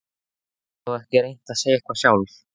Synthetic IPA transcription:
ɔɛhcɪɾejn̥t̪aðsejaɛhkvasjaːwl

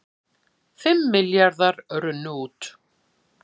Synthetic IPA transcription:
fɪmːɪljaɾðaɾœɾʏnuːt̪

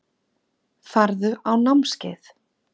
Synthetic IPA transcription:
faɾðʏʔawnamscɪ̰ːθ

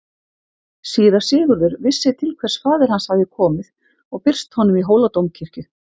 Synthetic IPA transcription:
siːðḁsɪːɣʏɾðʏɾvɪsːɪt̪ʰɪlkʰvɛr̥sfaːðɪɾ̥hanshavðɪkʰɔːmɪð | ɔɣpɪr̥st̪hɔnːʏmiɦoːwlat̪owmcʰɪr̥cʏ

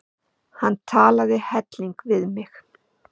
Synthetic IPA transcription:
hanːt̪ʰaːlaðɪhɛt̪liŋkvɪðmɪx

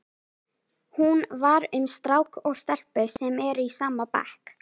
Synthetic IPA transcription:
hunvaɾʏmst̪ɾaːwkɔɣst̪ɛl̥pʏsɛmɛɾisaːmapa̰hk

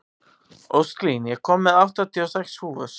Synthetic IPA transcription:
owst̪linjɛɣkʰɔmːɛðawht̪at̪ʰiɔsɛkshuːvʏs

